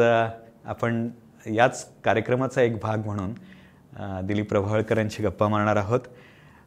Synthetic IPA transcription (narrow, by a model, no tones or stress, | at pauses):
əa̰pəɳ | jat͡skaɾjəkɾəmat͡saekbʱaɡm̤əɽ̃uːn | d̪iliːpɾəbʱaʋəɭkəɾjaɲt͡ɕiːɡəpːaməɾɳ̃aɾaɦot̪